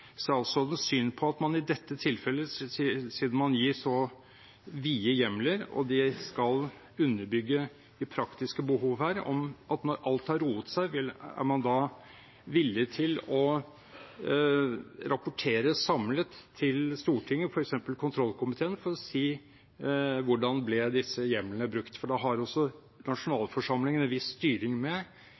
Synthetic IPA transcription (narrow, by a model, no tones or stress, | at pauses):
sɔɑlsɔd̪ɛnsyːnpʰɔɑt̪mɑnɪd̪ɛt̪ːət̪ʰɪlfɛlːəsiːd̪nmɑnjiːʂɔ | ʋiːəjɛmləɾɔ̰d̪ɪskɑl | ʉnːəɾbʏɡːə | ɪpʰɾɑkt̪ɪskəbəɦuːʋhæːɾɔ̰mɑt̪nɔɾʔɑlt̪hɑɾuːət̪sæɪʋɪæ̰ɾmɑnd̪ɑː | ʋɪlːɪt̪ʰɪlɔ | ɾɑpʊʈʰeːɾəsɑmlət̪ʰːɪlst̪uːʈʰɪŋːəfɔɾɛksɛmpəlkʰʊnt̪ʰɾɔlːkʰʊmɪt̪ʰeːənfɔɾɔsiː | ʋʊɖɑnblɛd̪ɪsːəjɛmənəbɾʉkt̪fɔɖɑɦɑɾɔsːɔ | nɑʂʊnɑːlfɔʂɑmlɪŋənɛnʋɪsːt̪yːɾɪŋmɛ